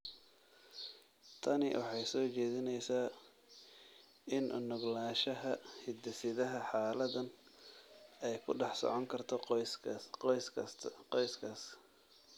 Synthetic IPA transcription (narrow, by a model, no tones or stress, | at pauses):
t̪ʰɐnɪ̰wʔɑħɑjsɔːt͡ʃɛːðɪnɛjsaː | ʔɪnʔʊnʊɡlaːʃɐɦɐhɪd̪ɛsɪðɐɦɐħaːlɐðɐn | ɛjkʰʊɖɑħsɔ̰ʕɔŋkʰɐrt̪ʰɔ | jsʰqɔjskʰaːs